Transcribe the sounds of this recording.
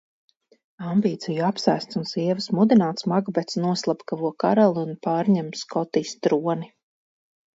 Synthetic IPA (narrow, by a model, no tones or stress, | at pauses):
ambiːt̪sijuapsa̰jst̪sunsiɛvɨsmud̪inaːt̪smaɡbɛt̪snuɔslˠapkavuɔka̰ɾalˠiunpaːɾɲɛmskʰɔt̪iːst̪ɾuɔni